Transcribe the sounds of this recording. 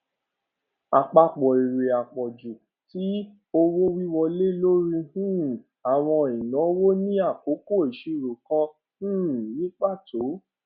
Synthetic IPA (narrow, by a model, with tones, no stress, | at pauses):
a˨k͡pa˧k͡pɔ˨i˨ɾe˨a˨k͡pɔ˨d͡ʒu˨ | ti˨˦ | o˧wo˦wi˦wɔ˧le˦lo˦ɾi˧hũ˦ | a˨w̃ɔ̃˧ĩ˨nɔ̃˨˦wo˦nĩ˦a˦˨ko˨˦ko˦˨e˨ʃe˨˧˨ɾo˨kɔ̃˧ | ũ˦˨nĩ˨˦k͡pa˦˨to˨˦